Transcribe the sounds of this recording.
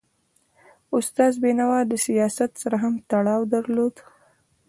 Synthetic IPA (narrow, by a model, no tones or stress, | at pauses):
ʊst̪ɑzbenawɑd̪əsijɑsat̪saɾaɦamt̪aɽɑwd̪aɾlod̪